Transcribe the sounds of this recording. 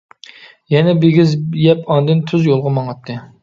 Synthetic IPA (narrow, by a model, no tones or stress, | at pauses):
jɛnɛbeɡʲizjɛpɑnd̪ɨnt̪ʰyzjolˠʁʊmɑŋɑt̪ʰːɨ